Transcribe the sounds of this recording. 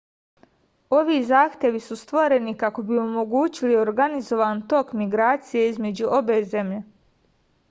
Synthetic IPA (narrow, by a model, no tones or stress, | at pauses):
o̞ʋiːzaːxt̪je̞ʋisust̪ʋoɾe̞nikako̞bio̞mo̞ɡuːt͡ɕilio̞ɾɡanizo̞ʋaːnt̪o̞kmiɡɾaːt̪sije̞izme̞d͡ʑuʔo̞be̞ːze̞mʎe̞